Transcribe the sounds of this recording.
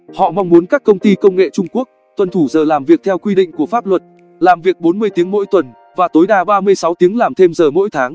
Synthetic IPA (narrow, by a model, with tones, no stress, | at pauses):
hɔ̰˧˨ma˧wŋ͡mmu˨˦ənkaː˦˥kːə˧wŋ͡mt̪i˧kə˧wŋ͡mŋḛ˧˨t͡ɕʊ˧ŋ͡mku˦˥ək̚ | t̪wə˨˩nt̪ʰu˧˩zəː˨˩laː˨˩mvi˨˩ək̚t̪ʰɛ˧wkwi˧ɗḭ̈˧˨ŋ̟ku˧˩əfaː˦˥p̚lwə˨˩t̚ | laː˨˩mvi˨˩ək̚ɓo˨˦nmɨ˧əjt̪i˨˦əŋmo̰˧˥jt̪wə˨˩n | vaː˨˩t̪o˨˦jɗaː˧ɓaː˧mɨ˧əjsa˨˦wt̪i˨˦əŋlaː˨˩mt̪ʰe˧mzəː˨˩mo̰˧˥jt̪ʰaː˨˦ŋ